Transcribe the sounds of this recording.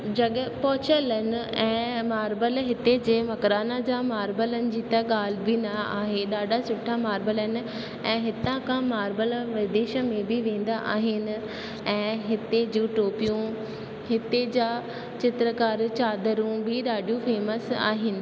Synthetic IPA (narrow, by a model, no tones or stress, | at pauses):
d͡ʑɐɠpɔːt͡ɕələnɪ̆ɛ̃ːmaːɾbəlɦɪt̪ed͡ʑeːmɐkɾaːnad͡ʑamaːɾbələnɪ̆d͡ʑiːt̪ɐɠaːl̤ɪbinaa̰ːɦeɗaːɖʱasʊʈʰamaːɾbələnɪ̆ | ɛ̃ːɦɪt̪ãkãmaːɾbəlʋɪd̪eːʃə̆mẽbʱɪʋẽːn̆d̪aʔa̰ːɦɪnɪ̆ | ɛ̃ːɦɪt̪ed͡ʑũːʈoːpijũ | ɦɪt̪ed͡ʑaː | t͡ɕɪt̪ɾəkaːɾt͡ɕaːd̪əɾũbʱɪɗaːɖijũfeːməsa̰ːɦɪnɪ̆